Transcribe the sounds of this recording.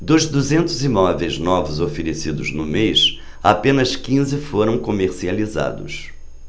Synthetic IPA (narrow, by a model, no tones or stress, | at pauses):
d̪ʊzd̪uzẽnt̪ʊzimɔvejznɔvʊzofeɾesid̪ʊznʊmejʃ | a̰pẽnɐskĩzɪfoɾɐ̃w̃komeɾsializa̰d̪ʊ̰s